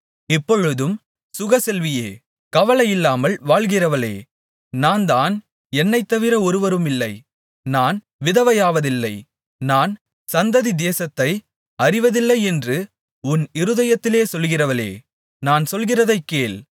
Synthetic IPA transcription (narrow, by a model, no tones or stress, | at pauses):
ɪpːɔɻɯðɯm | sʊɣɐsɛlʋɪjeː | kɐʋɐlɐjɪlːaːmɐlʋaːɭɣɪrɐʋɐlḛː | naːnd̪aːn | ɛnːɐɪt̪ːɐʋɪɾɐɔɾɯʋɐɾɯmɪlːɐɪ | naːn | ʋɪðɐʋɐjaːʋɐðɪlːɐɪ | naːn | sɐnd̪ɐðid̪eːsɐt̪ːɐɪ | ɐrɪʋɐðɪlːɐɪɛndrɯ | ʊnɪɾɯðɐjɐt̪ːɪleːsɔlɣɪrɐʋɐlḛː | naːnsɔlɣɪrɐðɐɪkːeːl